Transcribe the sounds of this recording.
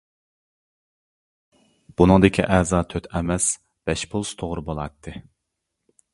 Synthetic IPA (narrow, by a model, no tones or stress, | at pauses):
b̥unɨŋd̪ɪkʲʰḭʔɛzɑːt̪ʰøt̪ʰɛmɛs | b̥ɛʃpʰulˠst̪ʰoʁɾɨbolˠɑt̪ʰːɨ